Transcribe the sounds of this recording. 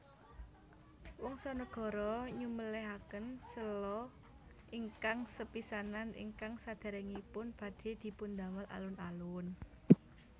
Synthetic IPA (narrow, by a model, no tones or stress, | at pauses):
wɔŋsɔnəɡ̥ɔ̤ɾɔɲuməleɦakənsəlɔ | ʔiŋkaŋsəpisananḭŋkaŋsad̪̥ɛ̤ɾɛŋipʊnb̥ä̤d̪̥e̤d̪̥i̤pund̪a̤məlʔa̰lʊnalʊn